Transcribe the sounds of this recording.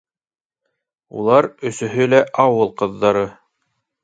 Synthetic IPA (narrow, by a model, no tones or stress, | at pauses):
ṵlˠɑɾɵ̆sɵ̆ɦɵlæʔɑwɤlˠqɤ̆ðːɑɾɤ